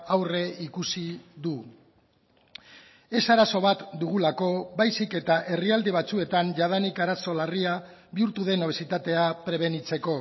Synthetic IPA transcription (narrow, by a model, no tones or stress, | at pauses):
awre̞ikusiðu | e̞saɾaso̞β̞at̪d̪uɣ̞ulako̞βajsike̞t̪aʔe̞riald̪eβ̞at͡sue̞t̪anʝað̞anikaɾaso̞laria | βiuɾt̪uðe̞no̞β̞esit̪at̪e̞apɾe̞β̞e̞nit͡se̞ko̞